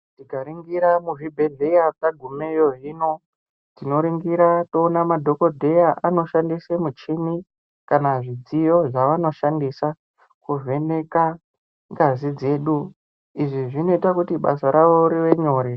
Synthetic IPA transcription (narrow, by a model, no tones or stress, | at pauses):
tikaɾiŋɡiɾamuʐibʱe̞ɮe̞jakaɡʱumejoɦiːno̞ | tino̞ɾiŋɡiɾato̞ːnamadʱo̞ko̞dʱe̞jaʔano̞ʃandisemut͡ʃimi | kanaʐid͡zijo̞ʐaʋano̞ʃandisa | kuve̞ne̞ka | ŋɡazid͡ze̞ːɗu | iʐiʐino̞itakutiɓa̰saɾaʋo̞ɾiʋe̞ɲo̞ːɾe